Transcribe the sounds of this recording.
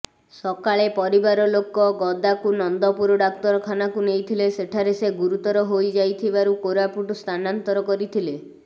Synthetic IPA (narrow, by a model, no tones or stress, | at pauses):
sɔkaɭepɔɾibaɾɔlokɔɡɔd̪akunɔnd̪ɔpuɾɔɖak̚t̪ɔɾɔkʰanakunejt̪ʰileseʈʰaɾeseɡuɾut̪ɔɾɔɦojd͡ʒajt̪ʰibaɾukoɾapuʈst̪ʰanant̪ɔɾɔkɔɾit̪ʰile